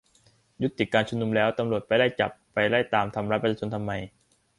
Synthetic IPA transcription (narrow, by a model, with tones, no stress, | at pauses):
ju˦˥t̪ːi˨˩kːaː˧nt͡ɕʰu˧nu˧mlɛː˦˥wt̪a˧mɾu˨˩t̪̚pa˧jda˥˩jt͡ɕa̰˨˩pːa˧jɾa˥˩jt̪aː˧mt̪ʰa˧mɾa˦˥pe˧˥sʰaː˧t͡ɕʰo˧nt̪ʰa˧mːa˧j